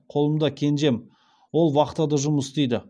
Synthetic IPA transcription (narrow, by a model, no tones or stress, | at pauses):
qʰo̞lˠəmd̪ɑkʲʰe̞nʒe̞m | wo̞lˠwɑqət̪ːɑd̪ɑʒʊməsd̪ejd̪ɪ